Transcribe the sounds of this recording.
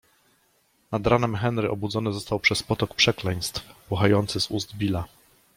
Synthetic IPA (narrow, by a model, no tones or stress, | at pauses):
nad̪ɾanɛmxɛnɾɘʔɔbud̪zɔnɘzɔst̪awpʂɛspɔt̪ɔkpʂɛklɛj̃st̪fpuxajɔnt̪sɘzuzd̪bʲila